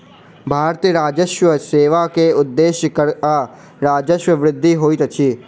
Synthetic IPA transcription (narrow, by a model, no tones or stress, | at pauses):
bʱaːɾt̪iəɾaːd͡ʒəʃʋəseːʋakeʊd̪ːeːʃjəkəɾaː | ɾaːd͡ʒəʃwəʋɾɪd̪ʱːiɦoːiːt̪ɐt͡ʃʰiː